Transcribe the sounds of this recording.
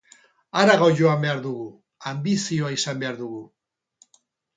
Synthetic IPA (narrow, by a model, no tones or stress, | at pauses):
aɾaɣo̞ʝo̞ambe̞aɾðuɣu | ambisioaisambe̞aɾðuɣu